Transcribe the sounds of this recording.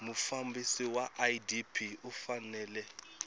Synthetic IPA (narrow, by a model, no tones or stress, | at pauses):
mufambisiwaʔadipʰiufanɛːlɛ